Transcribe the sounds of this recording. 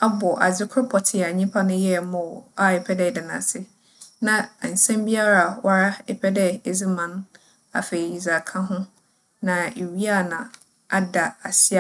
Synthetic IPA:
a˦bɔ˨ʔa̰˨d͡zɪ˦kʰʊ˦pʰɔ˨tʰɪ˨a˨ɲĩ˦mpʰa˦nʊ̃˦jɛ˦˨mɔ̃˨wa˦ɛ˨pʰɛ˦dɛ˦˨dɪ˨nã̰˨sɪ˦ | nã˨a˨n̩˨sɛ̃˦mbi˦a˦ɾa˨wʔa˦ɾa˦ɛ˦pʰɛ˦dɛ˦e˨d͡zɪ˦mã˨n | a̰˨fe˨i˨i˨za˨kʰã˦ɦʊ̃˦ | nã˨e˨wi˦a˦˨nã˨ | a˦da˨a˨sɪ˦a˦˨

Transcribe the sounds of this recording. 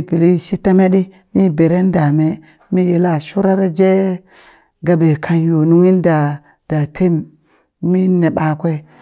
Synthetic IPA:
i˦pi˨li˦ʃi˦ta˦me˦ɗi˦ | mi˦be˨ɾe˦n˦da˨me˦ | mi˦je˨la˦˨ʃu˦ɾa˦ɾa˦d͡ʒe˦ | ɡa˨be˨kʰa˨njo˨nu˦ŋi˦nda˨ | d̥a˨tʰe˦m | mi˦ne˨ɓa˨kʷe˦

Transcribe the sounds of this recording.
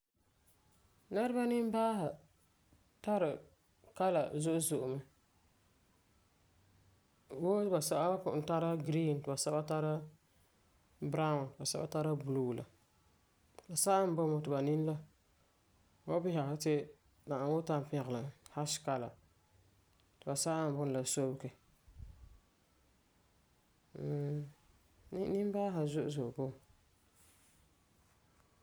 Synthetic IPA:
nɛ˦ɾɨ˦ba˦nɪ˦m˦baː˦ɦa˨ | ta˦ɾɪ˨ | ka˦la̰˨zʊ˦ʔʊ˦zʊ˨ʔʊ˨ma˨ | wo˦ba˨sa˦ʔa˦kʊ˨n˦ta˦ɾa˦ɡɾi˦˨ntɪ˨ba˨sa˦ba˦ta˦ɾa˦ | bɾa˦ʊ˨ntba˨sa̰˦ba̰˦ta˦ɾa˦bu˨lu˦ɡla̰˨ | ba˨sa˦ʔa˦m˦bɔ˦mɔ˨tɪ˨ba˨nɪ˦n˦la˦ | wa˦bɪ˦ha˨ha˦tɪ˦ | na˨a˨˦wʊ˦ta˦m˨pɪ̃˦˨ɣla˨ha˦ʃka˨la̰˨ | tɪ˨ba˨sa˦ʔa˦˨n˨bʊ˦n˨la˨so˦bkɛ˨˦˨ | n˦nɪ˦m˦baː˦ɦa˨zʊ˦ʔʊ˦˨zʊ˨ʔʊ˨bo˦˨

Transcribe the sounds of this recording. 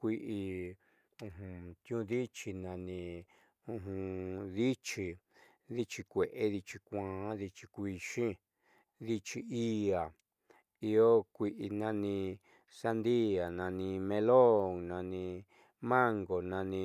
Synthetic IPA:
kʷi˧ʔi˧ | ũ˧ɦũ˧t̪jũ˧˦ði˦t͡ʃi˧nã˧nĩ˧ | ũ˧ɦũ˧ði˦t͡ʃi˧ | ði˦t͡ʃi˧kʷe˨ʔe˦ði˧t͡ʃi˧kʷãː˨˦ði˧t͡ʃi̥˧kʷi˧ʃĩ˦ | ði˧t͡ʃi˧i˦a˨ | i˧o˦kʷi˧ʔi˧nã˧nĩ˧ | sa˧nd̪i˦a˨nã˧nĩ˧mẽ˧lo˦˨ŋnã˧nĩ˧ | mã˦ŋɡo˨nã˧nĩ˧

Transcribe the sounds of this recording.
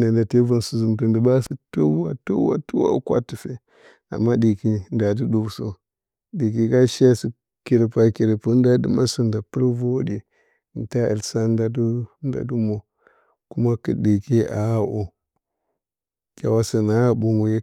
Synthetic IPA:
na˨nda˨te˦va˨nsu˨zu˨mtu˨ndə˨ba˦si˦to˦a̰˦to˦wa̰˦tu˦wa̰˦kwa̰˦tu˨fe˦ | a̰˨mːa˦di˨ki˦nda˨d̬i˦ɗu˦˨so˦ | di˨ki˨ka˦ʃa˦si˨ | ki˨ɾe˨pa˨ki˨ɾe˨pu˦n˦da˦dɨ̰˨ma˦si˦nda˨pə˦ɾvo˦di˨ | n˨ta˦ʔḭ˨lsa˦n˦da˦du˦n˦da̰˨du˦mo˨ | ku˦ma˦kə̰˨di˨ke˦ʔa̰˨a˦ʔo˨ | kʲa̰˨wa˦si˨na˦a˦bu˦ŋu˨je˦

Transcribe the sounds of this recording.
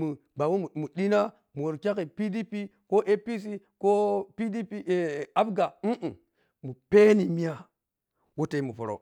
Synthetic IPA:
mu˨ | ba˨wo˦mu˨mu˨ɗi˦na˦ | mu˨wo˨ɾkʲa˦ki˨pi˦di˦pi˦ | ko˦ʔe˦pi˦s̬i˦ko˦pi˦di˦pi˦˨a˦bɡa˨m̩˦ʔ̩˨ | mu˨pe˦ni˨mi˦a˦ | wu˦te˨i˦mu˨po˨ɾo̰˨

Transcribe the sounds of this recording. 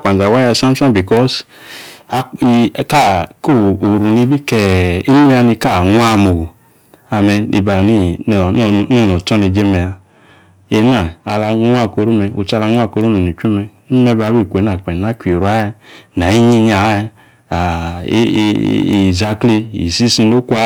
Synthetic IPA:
k͡pã˨za˨wa˦ja˧˨sã˦mtã˦nbi˨kɔ˦s | a˨ka˦˨ko˦˨u˨ɾu˨ni˧˦bi˦kɛ˨i˦nu˦i˦a˧ni˧ka˦˨ŋʷ˦a˦mo˨ | a˨mɛ˧nḭ˨ba˨ni˦n˨n˦˨no˦˨nɔ˨tɔ˦ni˧d͡ʒe˦mɛ˨a˧ | e˧˦na˨a˧la˧˦a˦˨ko˧ɾo˦mɛ˧o˨t͡ʃa˧la˧˦ŋʷ˦a˦˨ko˧˦ɾo˦no˨ni˨t͡ʃu˦mɛ˧˦mɛ˧˦ba˧˨˦wi˦˨kʷe˨˦na˨k͡pɛ˨na˦kʷi˨ɾa˦ɛ˧˦na˨i˦ɲi˧ɲ˦a˨˦˧ | a˨˦˨ | za˧kli˧ḭ˨si˦sĩ˧no˦kʷa˦

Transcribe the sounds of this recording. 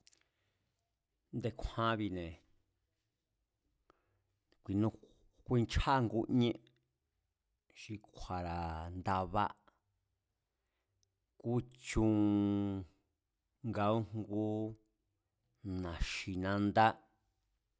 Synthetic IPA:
nd̪e˧˨kʷʰã˧˦βi˧nẽ˨ | kʷi˨nũ˧˦ | kʷi˦˧nt͡ʃʰa˦˧ŋɡu˦ɲẽ˦ʔ | ʃi˧kʷʰa˨ɾa˨nd̪a˧βa̰˦ | ku˦t͡ʃũ˧˦ | ŋɡa˧˦u˦ŋɡu˦ | nã˨ʃi˨nã˧nd̪a˦

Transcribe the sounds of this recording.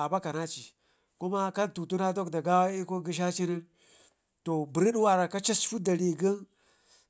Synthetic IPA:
a˨ba˦ka˨na˦t͡ʃi˨ | ku˦ma˦ka˦ntu˨tu˦na˦do˦kda˨ɡa˦wa˦i˦ko˦ɡi˦ʃ̬a˦t͡ʃi˦ni˦n | to˨bi˨ɾi˦ɗwa˨ɾa˨ka˦t͡ʃi˦sfu˦da˨ɾi˨ɡə˦n

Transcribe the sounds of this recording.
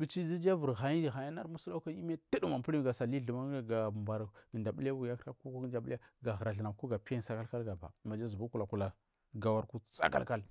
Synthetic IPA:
bi˨t͡ʃi˦d͡zi˦d͡ʒa˦və˨ɾɣa˨ji˦˨ɣa˨ja˦na˦ɾmu˦sla˦ka˦i˦m˦a˦tə˦dma˨pə˦i˦ɡa˨sa˨li˦ɮə˨ma˦ŋ˦ɡa˨ba˨ɾɡə˨nda˨bu˦la˦wu˨ja˦kka˦ku˦ku˦ɡə˦da˨bu˦a˦ɡa˨ɣɾa˨ɮə˨na˨ku˦ɡa˨pi˦a˦nsa˦ka˦lka˦lɡa˨ba̰˨ma˨d͡ʒa˦zu˨bu˦ku˨la˨ku˨la˨ | ɡa˨wa˦ɾku˦sa̰˦ka̰˦ka˦l

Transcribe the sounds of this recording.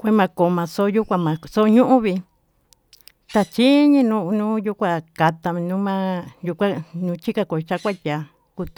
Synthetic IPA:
kʷe˦mã˧ko˨mã˨˧so˦ju˦kʷã˧mã˨˧so˦ɲũ˦ʔũ˦βi˧ | t̪a˧t͡ʃi˦ɲĩ˦nũ˧˦nũː˦ju˦kʷa˧˨ka˧t̪a˧mĩ˧nũ˦mã˦ju˧kʷã˦nũ˧t͡ʃi˦ka˧ko˨˧t͡ʃa˧˦kʷa˦t̪ʲa˨ | ku˧t̪u˨

